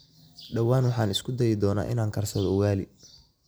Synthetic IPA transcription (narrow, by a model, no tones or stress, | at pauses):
ɖɐwaːnwɑħɑːnɪskʰʊd̪ɐjɪd̪ɔːna̰ːʔɪ̰naːŋkʰɐrsɐðɔwaːlɪ̰